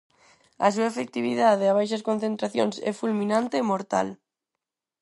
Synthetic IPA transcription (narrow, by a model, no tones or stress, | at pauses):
a̰s̬uaefek̚t̪iβ̞iðaðeaβ̞ajʃ̬askonθent̪ɾaθjo̰nsɛ̰fulmĩnãnt̪eːmoɾt̪a̰l